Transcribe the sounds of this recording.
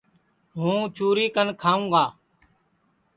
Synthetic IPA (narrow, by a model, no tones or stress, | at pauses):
ɦũːt͡ʃuːɾiːkənkʰaːũːɡaː